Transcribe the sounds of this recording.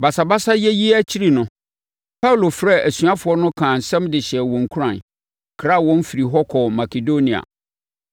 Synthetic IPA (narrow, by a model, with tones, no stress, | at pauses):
ba˨sa˨ba˦sa˦jɛ˦ji˦æ˦t͡ɕʰi˦ɾi˦nʊ̃˨ | pʰa˦u˨lo˨fɾɛ˦˨ʔæ˨sɥa˦fʊ˨ɔ˦nʊ̃˦kʰãː˨n̩˨sɛ̃˦mdɪ˨ɕɪ˨ɛ˨wɔ̃˨ŋ˨kʰu˦ɾã˨n | kʰɾa˦˨wɔ̃˦m˦fi˨ɾi˨ɦɔ˦kʰɔ˨ma˨kʰe˨do˦nĩ˨a̰˨